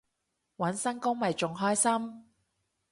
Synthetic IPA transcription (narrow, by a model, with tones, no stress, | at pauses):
wɐ˨˥nsɐ˥nkʊ˥ŋmɐ˨jt͡ʃʊ˨ŋɦɔː˥jsɐ˥m